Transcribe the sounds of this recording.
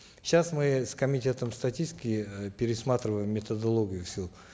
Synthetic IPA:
ɕasmɨskəmʲɪtʲe̞t̪əmst̪ɐtʲisʲtʲɪkʲɪpʲɪɾʲɪsmat̪ɾʲɪvəjɪmːʲɪt̪əd̪ɐlˠoɡʲɪjʊfsʲilˠ

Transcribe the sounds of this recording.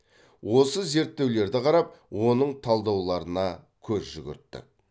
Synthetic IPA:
wo̞səze̞ɾt̪ːe̞wle̞ɾd̪ɪqʰɑɾɑp̚wo̞nəɴt̪ʰɑlˠd̪ɑwlˠɑɾənɑ | kʲʰɵzʒʏɡʲʏ̰ɾt̪ːɪ̰

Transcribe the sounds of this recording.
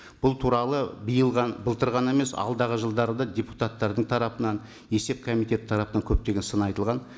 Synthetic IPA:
b̥ʊlˠt̪ʰuɾɑlˠəbijəlˠʁɑnbəlˠt̪əɾʁɑne̞me̞sɑ̰lˠd̪ɑʁəʒəlˠd̪ɑɾəd̪ɑd̪ʲepu̥t̪ɑt̪ːɑɾd̪əɴt̪ʰɑɾɑpənɑn | e̞se̞p̚kʰomijt̪ʲe̞t̪ɪ̥t̪ʰɑɾɑpənɑŋkʲʰɵp̚t̪e̞ɡʲe̞nsənɑjt̪əlˠʁɑn

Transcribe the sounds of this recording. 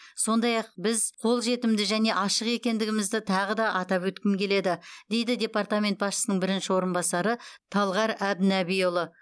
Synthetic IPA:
so̞nd̪ɑjɑq̚bɪzqʰo̞lˠʒe̞t̪ɪmd̪ɪʒæne̞ʔɑʃəqe̞kʲe̞nd̪ɪɡʲɪmɪzd̪ɪt̪ʰɑʁəd̪ɑʔɑt̪ɑpwɵt̪kʲɪmkʲʰe̞le̞d̪ɪd̪̥e̞jd̪ɪd̪ʲe̞part̪amʲe̞nt̪̚bɑsʃə̥sənəɴbɪɾɪnʃɪwo̞ɾənbɑsɑɾət̪ʰɑlˠʁɑɾæbnæbijolˠə

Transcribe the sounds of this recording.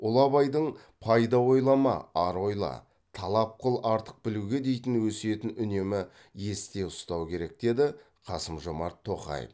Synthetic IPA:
olˠɑβɑjd̪əɴ | pʰɑjd̪ɑwo̞jlˠɑmɑ̰ɑɾo̞jlˠɑ̰ | t̪ʰɑlˠɑp̚qəlˠɑɾt̪ə̥q̚bɪluɡʲe̞d̪e̞jt̪ɪnwɵse̞t̪ɪnʏne̞mɪ | je̞st̪e̞ʊst̪ɑwkʲe̞ɾe̞k̚d̪̥e̞d̪ɪ | qʰɑsəmʒo̞mɑ̰ɾt̪ʰːo̞qɑ̰j̰f

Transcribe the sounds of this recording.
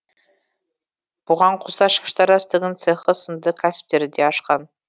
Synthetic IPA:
b̥ʊʁɑɴqʰʊsɑʃə̥qə̥ʃt̪ɑɾɑst̪əɡʲɪnt̪seχəsənd̪əkʲʰæsɪ̥p̚t̪e̞ɾɪd̪eɑʃqɑn

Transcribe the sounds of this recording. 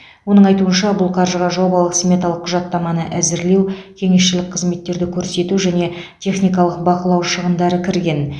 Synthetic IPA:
wo̞nəɴɑjt̪uənʃɑbʊlˠqʰɑɾʒəʁɑʒo̞bɑlˠəqsmʲe̞t̪ɑlˠəqːʰʊʒɑt̪ːɑmɑnəʔæzɪɾle̞wkʲʰe̞ŋe̞sʃɪlɪk̚qʰəzme̞t̪ːe̞ɾd̪ɪkʲʰɵɾse̞t̪uʒæne̞t̪ʲʰe̞χnijk̬ɑlˠəqbɑqəlˠɑwʃəʁənd̪ɑɾəkʲʰɪɾɡʲe̞n

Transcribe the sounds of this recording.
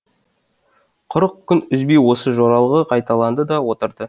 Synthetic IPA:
qʰʊɾəq̚kʲʰʏnʏzbejwo̞səʒoɾɑlˠʁəqʰɑjt̪ɑlˠɑnd̪əd̪ɑwo̞t̪əɾd̪ə

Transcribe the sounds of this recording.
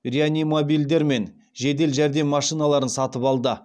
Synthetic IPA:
rʲianʲimobijld̪eɾme̞n | ʒe̞d̪e̞lʒæɾd̪e̞mːɑʃijnalˠɑɾənsɑt̪əpɑlˠd̪ə

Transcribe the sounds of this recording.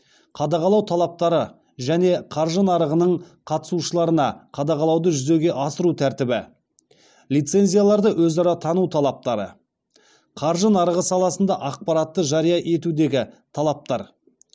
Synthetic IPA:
qʰɑd̪ɑʁɑlˠɑwt̪ʰɑlˠɑp̚t̪ɑɾə | ʒæne̞qʰɑɾʒənɑɾəʁənəɴ | qʰɑt̪ə̥suʃəlˠɑɾənɑqʰɑd̪ɑʁɑlˠɑwd̪əʒʏze̞ɡʲe̞ʔɑsəɾut̪ʰæɾt̪ɪbɪ | lʲijt̪se̞nzʲijalˠɑɾd̪əwɵzɑɾɑt̪ʰɑnut̪ʰɑlˠɑp̚t̪ɑɾə | qʰɑɾʒənɑɾəʁəsɑlˠɑsənd̪ɑʔɑq̚pɑɾɑt̪ːəʒɑɾijɑʔe̞t̪ud̪e̞ɡʲɪt̪ʰɑlˠɑp̚t̪ɑɾ

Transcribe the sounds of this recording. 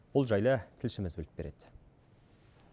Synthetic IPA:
b̥ʊlˠʒɑjlˠət̪ʰɪlʃɪmɪzbɵlɪp̚beɾe̞̰d̪̥

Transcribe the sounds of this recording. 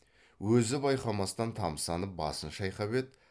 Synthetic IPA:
wɵzɪbɑjqɑmɑst̪ɑnt̪ʰɑmsɑnəp̚bɑ̰sənʃɑjqɑbe̞t̪

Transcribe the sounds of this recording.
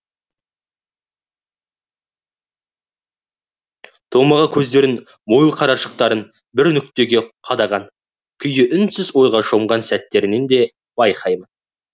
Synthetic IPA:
t̪ʰo̞mɑʁɑkʲʰɵzd̪e̞ɾɪn | mojlˠqʰɑɾɑʃə̥q̚t̪ɑɾən | bɪɾnʏk̚t̪e̞ɡʲe̞qʰɑd̪ɑʁɑn | kʲʰʏjɪʔʏnsɪzwo̞jʁɑʃo̞mʁɑnsæt̪ːe̞ɾɪne̞nd̪e̞ | bɑjqʰɑjmən

